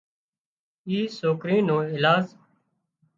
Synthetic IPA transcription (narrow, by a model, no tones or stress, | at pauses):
iːsoːkɾĩːnõːɪlaːz